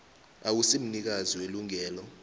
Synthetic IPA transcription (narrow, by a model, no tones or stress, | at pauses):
aw̬usim̩nik̬aziweluŋɛːlɔ